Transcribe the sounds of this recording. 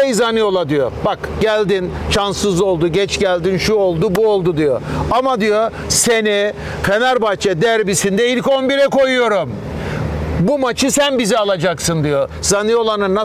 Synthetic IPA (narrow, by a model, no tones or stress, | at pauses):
ejzanɯjo̞lˠad̪ijo̰bakɟ̥ælʲd̪in | ʃansɯzo̞lˠd̪uɟɛt͡ʃɟælʲd̪inʃuo̞lˠd̪ubuolˠd̪ud̪ijo̰amad̪ijo̞ | seni | kʰenæɾbat͡ʃʰɛd̪æɾbisind̪ɛilʲco̞nbiɾɛko̞jujo̞ɾum | bumat͡ʃʰɯsænbizɛalˠad͡ʒaksɯnd̪ijo̞z̥anɯjo̞lˠanɯnːa